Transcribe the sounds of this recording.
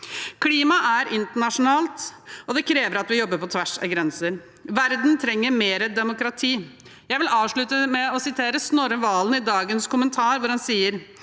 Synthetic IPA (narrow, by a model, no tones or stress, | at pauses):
kʰliːmɑʔæɾʔɪnt̪əɳɑʂʊnɑːlt̪ɔd̪ɛkʰɾeːʋəɾɑt̪ʋɪjɔbːəɾpɔt̪ʰʋæʂə̰ɡɾɛnsəɾ | ʋæɾd̪n̩t̪ʰɾɛŋːəɾmeːɾəd̪ɛmʊkɾɑt̪ʰiː | jæɪʋɪlɑːʋʂɭʉt̪əmɛɔsɪt̪ʰeːɾəsnoːɾəʋɑːlənɪd̪ɑːɡənskʊmənt̪ʰɑːɾʋʊɾhɑnsiːəɾ